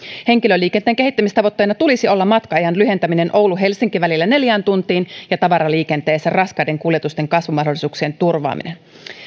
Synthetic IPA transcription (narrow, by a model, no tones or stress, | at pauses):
he̞ŋkilølːiːkent̪eːŋke̞ɦit̪ːæmist̪ɑʋo̞t̪ːeːnɑt̪ulisio̞lːɑmɑt̪kɑɑjɑnlyɦe̞nt̪æminenʔo̞wluɦe̞lsiŋkiʋælilːæne̞ljæːnt̪unt̪iːnjɑt̪ɑʋɑɾɑliːkent̪eːsærɑskɑjde̞ŋkuljet̪ust̪e̞ŋkɑsʋumɑhdolisuːksient̪urʋɑ̰ːmḭnen